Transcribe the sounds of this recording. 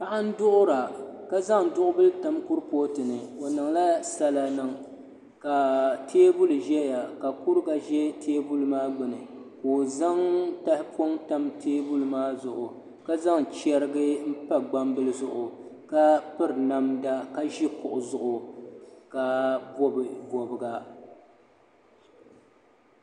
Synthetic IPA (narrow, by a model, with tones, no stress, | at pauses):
pa˦ʔa˦n̩˦dʊ˦ʔʊ˦ɾa˨ka˦za˦ŋdʊ˦ʔʊ˦bɨ˦lta˨mkʊ˦ɾpo˦tɨ˨nɨ˨o˨nɨ˨ŋla˦sa˦la˨nɨ˨ŋ | ka˨tʰeː˦bu˦lʒɛ˦ja˨ka˨ku˦ɾɨ˦ɡa˨ʒɛ˦teː˦bu˦lɨ˨maː˦ɡ͡bɨ˨nɨ˨koː˨za˦ŋta˦hɪ˦po˦ŋta˦mtʰeː˦bu˦lɨ˨maː˦zʊ˨ʔʊ˨ | ka˦za˦ŋt͡ʃɛ˦ɾɨ˦ɡɨ˦m̩˦pa˦ɡ͡ba˦mbɨ˦lɨ˦zʊ˦ʔʊ˨ka˦pɨ˦ɾna˦mda˦ka˦ʒi˦kʊ˨ʔʊ˨zʊ˨ʔʊ˨ka˨bɔ˦bɨ˨bɔ˨bɨ˨ɡa˨